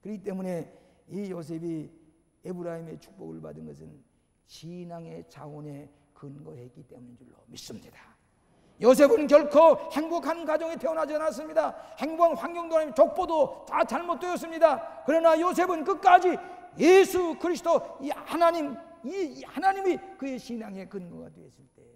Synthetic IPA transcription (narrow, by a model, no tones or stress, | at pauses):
kɯɾiit̬͈e̞mune̞ijos̬ʰe̞bi | ebɯɾaime̞t͡ɕʰu̥k̚p͈o̰ɡɯɭpa̰dɯnɡʌ̰sʰɯn | t͡ɕinaŋe̞t͡ɕaone̞ | kɯnɡʌeik͈ːit͈e̞mune̞d͡ʑuɭːo̰mis͈ɯmɲid̥a | jos̬ʰebɯnk̬jʌɭkʰohe̞ŋbokʰankad͡ʑʌŋipʰeʌnad͡ʑanas̬͈ɯmɲidahe̞ŋbʌŋɸwaŋɡjʌŋdot͡ɕok̚p͈odotat͡ɕaɭmot̚t͈we̞jʌs̬͈ɯmɲidakɯɾʌnajos̬ʰe̞bɯnkɯk͈ad͡ʑi | jesʰukʰɯɾisʰɯdoihanaɲimihanaɲimikɯe̞ɕinaŋe̞kɯnɡʌɡa̰dwees͈ɯɭt͈e̞